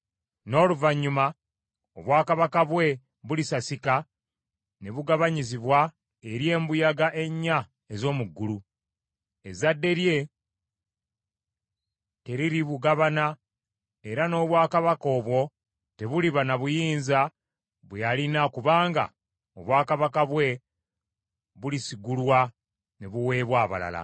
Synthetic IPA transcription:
no̞ːluvaɲːuma | oβwaːkaβakaβwe̞ | βulisasika | ne̞βuɡaβaɲiziβwa | eɾje̞ːmbujaɡaʔe̞ɲːa | ezo̞ːmuɡːulu | e̞zadːe̞ɾje̞ | te̞ɾiɾiβuɡaβana | e̞ɾano̞ːβwaːkaβako̞ːβwo̞ | te̞βuliβanaβujiːnza | βwejalinakuβaːŋɡa̰ | oβwaːkaβakaβwe̞ | βulisiɡulwa | ne̞βuwe̞ːβwaːβa̰la̰la̰

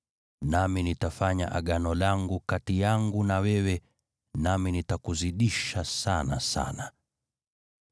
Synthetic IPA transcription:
naminitafaɲa̰ʔaɠanɔlaŋɡukatijaŋɡunawɛwɛ | naminitakuziɗiʃasana̰sa̰na

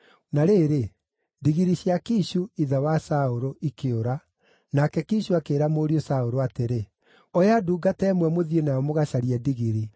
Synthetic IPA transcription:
naɾeːɾe | diɣiɾiɕjakiɕuiðawasaoɾoʔikeoɾa | nakɛkiɕuakeːɾamoːɾiosaoɾoateɾe | ɔjaduːɡatɛːmwɛmoðienaɔmoɣaɕaɾiɛdiɣiɾi

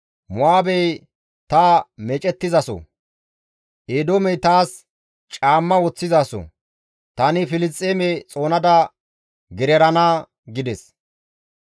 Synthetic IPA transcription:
mʊaːbɛj | t̪amɛt͡ʃʼɛt̪ːɪzɐsɔ̰ | ʔeːd̪oːmɛjt̪aːs | t͡ʃʼaːmːɐwɔt͡sːɪzaːsɔ̰ | t̪ɐnɪfɪlɪst͡sʼːeːmɛt͡sʼo̞ːnɐd̪ɐ | ɡɪɾɛɾɐnaː | ɡɪd̪ɛs

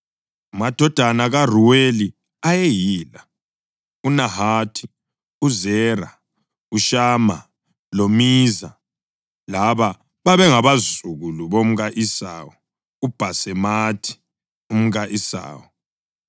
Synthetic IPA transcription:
umad̥ʱɔd̥ʱanaɣar̤uweli | ajejiːla | unaɦaːtʰi̥ | uzɛːra | uʃaːma̰ | lomiːza | laβa | βaβɛŋaβazuɣuluβom̩ɣaʔisa̰wɔ | ub̥ʱasɛmatʰi̥ | um̩ɣaʔisa̰ːwɔ

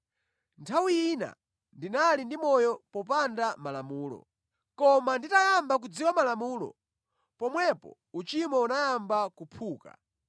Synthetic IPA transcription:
ntʰawiina̰ | ndinalindimɔjɔpɔpandamalamuːlɔ̰ | kɔmanditajambakud͡ziwamalamuːlɔ̰ | pɔmwɛpɔ̰ | ut͡ʃimɔunajambakupʰuːka̰

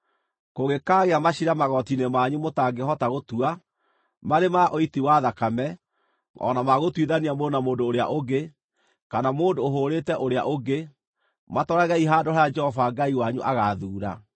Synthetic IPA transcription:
koɣekaɣeamaɕiɾamaɣɔtinemaɲumotaɡehɔtaɣotua | maɾemaʔoitiwaðakamɛ | ɔ̰namaɣotwiðaniamonamoːndoːɾea̰ʔoɡe | kanamoːndoːɦoɾetɛʔoɾea̰ʔoɡe | matɔɾaɣaiɦaːdoaad͡ʒɛhɔvaɡaiwaɲuʔaɣaðuːɾa̰

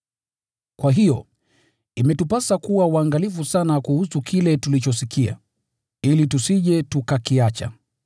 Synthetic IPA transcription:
kwaɦijɔ | imɛtupasakuwawaŋɡalifusanakuhusukʰilɛtulit͡ʃɔsikʰia̰ | ilitusiʄɛtukakiat͡ʃa̰

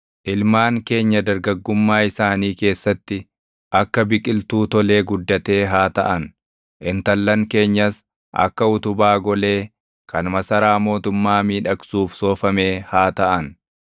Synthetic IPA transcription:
ʔɪlmaːŋke̞ːɲːɐd̪ɐɾɡɐɡːʊmːaːɪsaːniːke̞ːsːɐt̪ːɪ | ʔɐkːɐbɪkʼɪlt̪uːt̪ɔle̞ːɡʊd̪ːɐt̪e̞ːɦaːt̪ɐʔɐn | ʔɪnt̪ɐlːɐŋke̞ːɲːɐs | ʔɐ̰kːɐʊt̪ʊbaːɡɔle̞ː | kɐnmɐsɐɾaːmo̞ːt̪ʊmːaːmiːᶑɐksuːfso̞ːfɐme̞ːhaːt̪ɐʔɐn

